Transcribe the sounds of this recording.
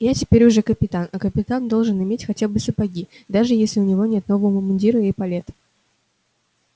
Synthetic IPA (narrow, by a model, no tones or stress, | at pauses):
jatʲɪpʲeɾʲʊʐɛkəpʲɪt̪anɐkəpʲɪt̪and̪o̞lˠʐɨnɪmʲetʲxɐtʲabɨsəpɐɡʲid̪aʐɨjesʲlʲɪʊnʲɪvo̞nʲet̪no̞vəvəvəmʊnʲdʲiɾʊjejpɐlʲe̞t̪